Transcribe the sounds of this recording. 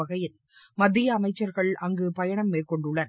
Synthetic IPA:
ɐɣɐjɪl | mɐðːɪjɐːmɐɪt͡ʃːɐɾɣɐɭɐŋɡɯpɐjɐɳɐmːeːrkɔɳɖɯɭːɐn

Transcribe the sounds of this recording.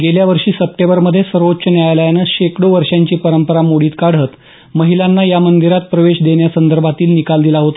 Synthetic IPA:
ɡeljaʋəɾʂiːsəp̚ʈebəɾməd̪ʱːjesəɾʋotːɕənjajləjanəɕekɽoʋəɾʂjaɲt͡ɕiːpəɾəmpəɾamoɽiːt̪kaɽ̤ət̪ | məɦilanːajamənd̪iɾat̪̚pɾəʋeɕd̪eɳjasənd̪əɾbʱat̪iːlnikald̪ilaɦot̪a

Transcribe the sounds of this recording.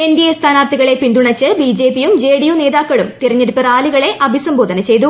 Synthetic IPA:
endijɐst̪ʰaːnaːrt̪ʰiɣɐɭe̞pind̪uɳɐt͡ɕːɨbid͡ʑe̞ːpːijumd͡ʑeːɽijune̞ːðaːkːɐɭumt̪irɐɲːeɽupːɨraːliɣɐɭe̞ʔɐbʱisɐmbo̞ːd̪ʱɐnɐt͡ɕe̞jt̪̬u

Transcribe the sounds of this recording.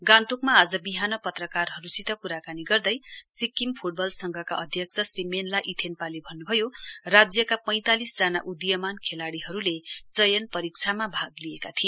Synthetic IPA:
ɡãnt̪ukmaːd͡zʌbiɦanʌpʌt̪rʌkarɦʌɾusit̪ʌpuɾakaniɡʌrd̪ʌjsikːimpʰuʈ̚bʌlsʌŋɡʌkaʔʌd̪ʱjʌkt͡sʰʌsrimenlaʔit̪ʰenpalebʱʌnːubʱʌjorad͡zjʌkapʌj̃t̪alisd͡zanaʔud̪jʌmankʰelaɽiɦʌɾulet͡sʌjʌnpʌɾik̚t͡sʰamabʱaɡliekat̪ʰi

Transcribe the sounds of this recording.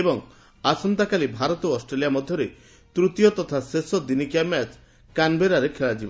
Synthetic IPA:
ebɔŋ | asɔnt̪akalibʱaɾɔt̪ɔɔsʈɾelijamɔd̪ʱjɔɾe | t̪ɾut̪jɔt̪ɔt̪ʰasesɔd̪inikamat͡ʃ | kanbeɾaɾekʰeɭad͡ʒibɔ

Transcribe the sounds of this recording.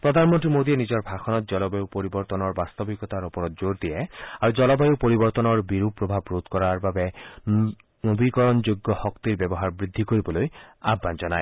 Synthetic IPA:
pɹɔd̪ʱanmɔnt̪ɾimod̪ienid͡ʑɔɹbʱaxʰɔnɔt̪̚d͡ʒɔlɔbajupoɾibɔɹt̪ɔnɔɹbast̪ɔbikɔt̪aɹɔpɔɾɔt̪̚d͡ʒoɹd̪iɛaɹud͡ʒɔlɔbajupoɾibɔɹt̪ɔnɔɹbiɾupɹɔbʱabɹot̪kɔɹaɹbabe | nobikɔɹɔnd͡ʒoɡːɔhɔkt̪iɹbjɛbɔɦaɹbɹid̪ʱːikoɹibɔlojabːand͡ʒɔnaj

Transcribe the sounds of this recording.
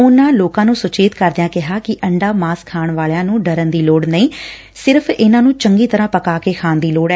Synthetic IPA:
ʊnãːloːkãːnũːsʊt͡ʃeːt̪kəɾd̪ɪjãːkɪɦaːkɪʔəɳɖaːmaːskʰːaːɳʋaːlejãːnũːɖəɾənd̪iːloːɽnəĩː | sɪɾpʰɪnãːnũːt͡ʃəŋɡiːt̪əɾãːpəkaːkeːkʰaːnd̪iːloːɽɛː

